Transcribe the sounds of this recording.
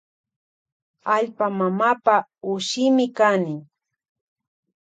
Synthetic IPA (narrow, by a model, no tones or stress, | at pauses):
aʎpamamaːpaʊʃɪmɪkanɪŋ